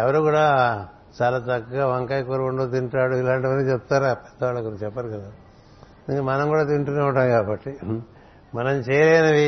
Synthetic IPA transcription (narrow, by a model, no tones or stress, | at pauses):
ɛʋɐɾukuːɽaː | t͡ʃaːlaːt̪ɐkːaɡaːʋɐŋkaːjkoːɾkoɳɖot̪̬iɳʈaːɽuilaːɳʈiʋɐnːit͡ʃɛp̚ːt̪aːɾaːpɛd̪ːɐʋaːɭːɐkot͡ʃɛpːɐɾikɐd̪a | nd̪ikɐmɐnɐmkuːɽaːt̪iɳʈuneʋuɳʈaːmkaːbɐʈːi | mɐnɐmt͡ʃɛːjɐleːjnɐʋi